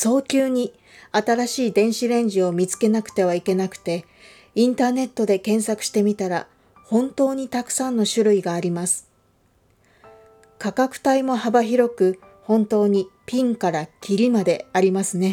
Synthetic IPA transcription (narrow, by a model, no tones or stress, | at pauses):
so̞ːkʲɨːɲ̟i | at̪aɾaɕiːd̪ẽ̞ɰ̃ɕiɾẽ̞ɲ̟d͡ʑio̞mʲit͡sɨ̥ke̞nakɯ̟̥t̪e̞β̞aike̞nakɯ̟̥t̪e̞ | ĩnt̪aːne̞t̪ːo̞d̪e̞kẽ̞ɰ̃sakɯ̟ɕi̥t̪e̞mʲit̪aɾa̰ | hõ̞nt̪o̞ːɲ̟it̪akɯ̟̥sãnːo̞ɕɨɾɯ̟iɡaːɾʲimasɨ̥ | kakakɯ̟̥t̪aimo̞ɦabaçiɾo̞kɯ̟ | hõ̞nt̪o̞ːɲ̟ipʲĩŋkaɾakʲʰiɾʲimad̪e̞aɾʲimasɨne̞